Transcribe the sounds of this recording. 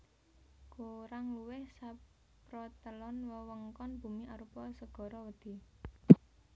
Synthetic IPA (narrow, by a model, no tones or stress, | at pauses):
koɾaŋluwɪhsa | pɾɔt̪əlɔnwəwəŋkɔnb̥ṳmiʔaɾupɔsəɡ̥ɔ̤ɾɔwəd̪̥i̤